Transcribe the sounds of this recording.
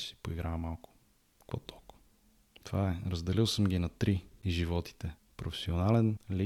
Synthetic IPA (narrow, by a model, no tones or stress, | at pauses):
si̥poiɡɾamalˠkʊ̥ | kvo̰t̪ɔk | t̪vaɛɾəzd̪ɛlilˠsəmɡʲinɐt̪ɾiiʒivɔt̪i̥t̪ɛ | pɾofɛ̥sionalɛnli